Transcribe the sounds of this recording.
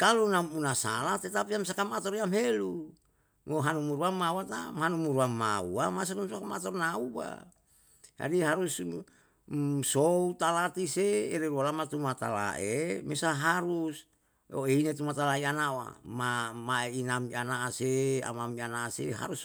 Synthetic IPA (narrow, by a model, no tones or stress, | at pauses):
kalunamunasa̰laht̪et̪apiamsakamat̪ɔɾiamɦelu | moɦanumuɾuamawat̪amhanumuɾuamːaṵamasanumsakamat̪ɔrnaua̰ | d͡ʒa̰diɦaɾus | sout̪alat̪iseeɾeɾualamat̪umat̪a̰la̰ʔemesaɦaɾus | oeinet̪umat̪alaianaoa̰mamaeinamianaasea̰mamianaseɦa̰ɾus